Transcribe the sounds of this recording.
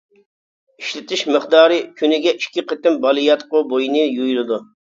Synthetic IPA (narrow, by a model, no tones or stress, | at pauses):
iʃlɪt̪ʰɪʃmɨχd̪ɑːɾɨkʲʰynɪɡʲɛʔiʃkʲʰiqʰət̪ɪmbɑlˠɨjɑt̪qʊbojinɨjujlˠɨd̪u